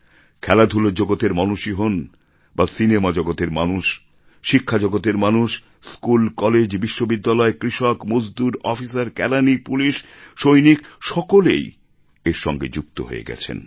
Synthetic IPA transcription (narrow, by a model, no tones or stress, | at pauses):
kʰɛlad̪ʱulod͡ʑoɡot̪eɾmɔnuʃiɦon | basinemad͡ʑɔɡot̪eɾmanuʃ | ʃikʰːad͡ʑɔɡot̪eɾmanuʃ | skulkɔled͡ʑbiʃːobid̪ːalɔekɾiʃokmod͡ʑd̪uɾɔfisaɾkɛlanipuliʃʃojnikʃɔkolḛj | eɾʃɔ̰ŋɡḛd͡ʑuk̚t̪o̰ɦo̰ḛɡɛ̰t͡ɕʰḛn